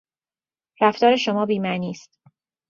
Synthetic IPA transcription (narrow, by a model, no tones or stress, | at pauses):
ɾæft̪ɒːɾe̞ʃo̞mɒːbiːmæniːst̪